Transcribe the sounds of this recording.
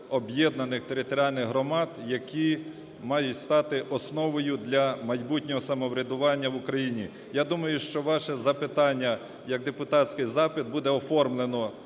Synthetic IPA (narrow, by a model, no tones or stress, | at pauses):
ɔbjɛd̪nɐnɪxt̪eɾɪt̪ɔɾʲiɑlʲnɪɣɦɾɔmɑd̪jɐkʲi | mɑjʊtʲst̪ɑt̪ɪʔɔsnɔʋɔjʊd̪lʲɐmɐjbut̪ʲnʲɔɦɔsɐmɔʋɾʲɐd̪ʊʋɑnʲːɐʋʊkɾɐjinʲi | jad̪umɐjʊʃt͡ʃɔʋɑʃɛzɐpɪt̪ɑnʲːɐ | jɐɡ̚d̪epʊt̪ɑtʲsʲkɪjzɑpɪd̪̚bud̪ɛɔfɔrmlˠenɔ